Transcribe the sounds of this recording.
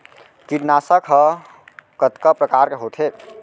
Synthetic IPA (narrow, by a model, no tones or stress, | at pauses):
kiɾnasəkʰə | kət̪kəpɾəkaɾkeɦot̪ʰe